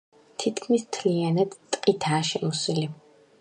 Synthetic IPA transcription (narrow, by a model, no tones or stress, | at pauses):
t̪ʰit̪ʰkʰmist̪ʰlianad̪t̪ʼqʼit̪ʰaːʃɛmusili